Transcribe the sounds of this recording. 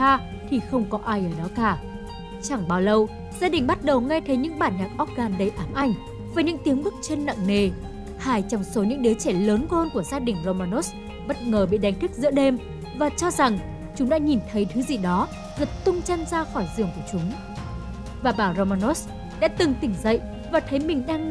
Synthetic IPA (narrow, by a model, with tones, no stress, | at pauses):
aː˧ | t̪ʰi˨˩xə˧wŋ͡mkɔ˨˦ʔaː˧jʔəː˧˩ɗɔ˨˦kaː˧˩ | t͡ɕa˧˩ŋɓaː˧wlə˧w | z̥aː˧ɗï˨˩ŋ̟ɓa˦˥t̚ɗə˨˩wŋɛ˧t̪ʰə˨˦jɲɨ̰˧˥ŋɓaː˧˩nɲaː˨˩t̚ʔɔ˦˥t̚ɣaː˨˩nɗə˧˩jʔaː˨˩mʔa˧˩jŋ̟ | vaː˨˩ɲɨ̰˧˥ŋt̪i˨˦əŋɓɨ˦˥k̚t͡ɕe˧nːa̰ː˧˨ŋne˨˩ | haː˧˩jt͡ɕɔ˨˩ŋ͡mso˨˦ɲɨ̰˧˥ŋɗi˨˦t͡ɕɛ˧˩ləː˨˦nɣo˧nku˧˩əzaː˧ɗï˨˩ŋ̟zo˧maː˧no˦˥s | ɓə˦˥t̚ŋəː˨˩ɓḭ˧˨ɗa˨˦jŋ̟t̪ʰi˦˥k̚zɨ̰˧˥ɗe˧m | vaː˨˩t͡ɕɔ˧za˨˩ŋ | t͡ɕʊ˨˦ŋ͡mɗa̰ː˧˥ɲi˨˩nt̪ʰə˨˦jt̪ʰɨ˨˦zi˨˩ɗɔ˨˦ | zə˨˩t̚t̪ʊ˧ŋ͡mt͡ɕə˧nzaː˧xɔ˧˩jzɨ̰˧˩əŋku˧˩ət͡ɕʊ˨˦ŋ͡m | vaː˨˩ɓaː˧˩zo˧maː˧no˦˥s | ɗa̰ː˧˥t̪ɨ˨˩ŋt̪ï˧˩ŋ̟zə̰˧˨jʔ | vaː˨˩t̪ʰə˨˦jmï˨˩ŋ̟ɗaː˧ŋ